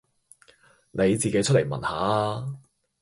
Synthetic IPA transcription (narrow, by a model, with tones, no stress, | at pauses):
nʔe˨˧jt͡siː˨ke˨˥jt͡ʃʰɵ˥t̚le˨˩jmɐ̰˨˩nhaː˨˥a˧